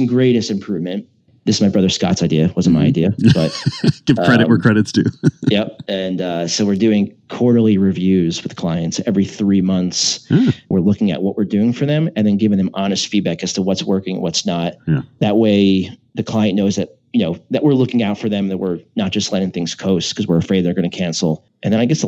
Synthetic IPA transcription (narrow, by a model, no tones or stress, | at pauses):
n̩ɡɹeɪɾɨstɨ̃m̩pʰɹ̥ʉvmɨ̃n | ðɪsɨzmaɪbɹʌðə˞skɑ̰tsaɪdiɨwʌz̃n̩maɪaɪdiɨb̥ʌt̚ɡ̥ɪv̥kʰɹ̥ɛɾɨt̚wə˞kʰɹ̥ɛɾɨtsd̥ʉjɛp̚ɨ̃nʌsoʊwɨɹdʉɪ̃ŋkʰɔɹɾl̩ˠiɹivjʉzwɨð̥kʰl̥aɪɨ̃ntsɛvɹiθɹimʌ̃nθswɪɹlʊkɪ̃ŋɨ̰ʔ̚wʌʔwɪɹdʉɪ̃ŋfə˞ðɨ̃mɨ̃nðɨ̃nɡɪvɪ̃ŋðɨ̃mɑnɨstfid̚bækæz̥tʰəwʌtswɜ˞kɪ̃ŋwʌtsnət̪̚ðɨt̚weɪðɨkʰl̥aɪɨ̃nːoʊzðɨt̚ | jɨnoʊðɨʔ̚wɪɹlʊkɪ̃ŋaʊtfə˞ðɨ̃mðɨt̚wɪɹnət̚d̥ʒ̥ʌstˡlɛɾɪ̃ŋθɪ̃ŋz̥kʰoʊskʰʌzwəɹəfɹeɪd̪̚ðə˞ɡʌñɨkʰæ̃nsl̩ˠ | ʔɨ̃nðɨ̃naɪɡɛs